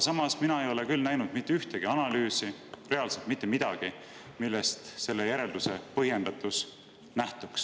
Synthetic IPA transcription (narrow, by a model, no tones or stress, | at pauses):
sɑmɑsminɑe̞jo̞le̞kylnæjnud̪̥mit̪ːˑeyht̪e̞ɡ̥iɑnɑlyːsire̞ɑlse̞lt̪mit̪ˑːe̞mid̪̥ɑɡ̥i | milːest̪se̞lːe̞jæɾe̞ld̪use̞pɤɦje̞nd̪̥ɑt̪ːˑus | næht̪uks